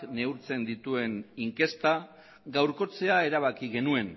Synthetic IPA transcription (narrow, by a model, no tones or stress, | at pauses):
kne̞uɾt͡se̞nd̪it̪ue̞niŋke̞st̪a | ɡawɾko̞t͡se̞ae̞ɾaβ̞akiɣe̞nue̞n